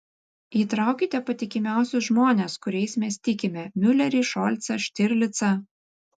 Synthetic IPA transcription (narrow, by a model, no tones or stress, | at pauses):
iːt̪ɾɑˑʊkʲɪt̪ʲɛpɐt̪ʲɪkʲɪmʲæˑʊsʲʊʒmoːnʲɛːskʊɾʲɛɪsmʲɛst̪ʲɪkʲɪmʲɛmʲʊlʲɛɾʲiːʃɔlʲt̪sɐʃʲt̪ʲɪɾʲlʲɪt̪sɐ